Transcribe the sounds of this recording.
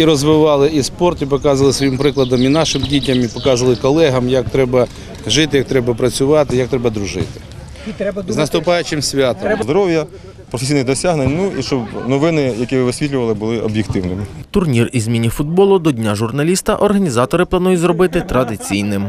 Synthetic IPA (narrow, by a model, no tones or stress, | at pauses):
iɾɔzʋɪʋɑlˠɪispɔrt̪ipɔkɑzʋɐlˠɪsʋɔjimpɾɪklˠɐd̪ɐminɑʃɪmdʲitʲɐmipɔkɑzɐʋɐlˠɪkɔlˠɛɦɐmjɐk̚t̪ɾɛbɐ | ʒɪt̪ɪjɐk̚t̪ɾɛbɐpɾɐt͡sʲʊʋɑt̪ɪjɐk̚t̪ɾɛbɐd̪ɾʊʒɪ̰t̪ɪ̥ | znɐst̪ʊpɑjʊt͡ʃɪmsʲʋʲat̪ɔmzd̪ɔɾɔwjɐ | pɾɔfesʲijnɪɣd̪ɔsʲaɦnenʲnuiʃt͡ʃɔbnɔʋɪnɪjɐkʲiʋɪʋɪsʲʋʲit̪ʲlʲʊʋɐlˠɪbʊlˠɪɔbʲjɪkt̪ɪwnɪmɪt̪ʊrnʲirizʲmʲinʲːifʊd̪̚bɔlˠʊd̪ɔdʲnʲaʒʊrnɐlʲist̪ɐʔɔrɦɐnʲizɑt̪ɔɾɪplˠɐnujʊtʲzɾɔbɪt̪ɪt̪ɾɐd̪ɪt͡sʲijnɪm